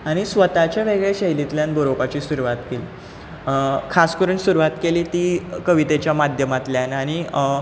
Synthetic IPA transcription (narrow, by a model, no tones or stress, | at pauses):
aɽ̃isʋət̪at͡ɕjaʋeɡɭeɕeɦjlit̪ljanboɾopat͡ɕiːsuɾuʋat̪keliː | kʰaskəɾuːnsuɾuʋat̪keliːt̪iːkəʋit̪et͡ɕjamad̪ʱjəmat̪ljanaɽ̃i